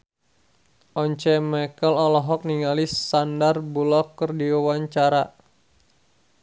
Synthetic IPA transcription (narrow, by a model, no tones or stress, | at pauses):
ʔɔɲt͡ʃɛmɛkəlɔlɔɦɔk̚niŋalissandarbulɔkːərdiawaɲt͡ʃaɾa